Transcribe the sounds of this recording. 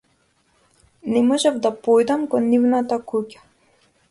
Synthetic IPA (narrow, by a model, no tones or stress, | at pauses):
nɛmɔʒavd̪apɔjd̪amkɔnːivnat̪akucḁ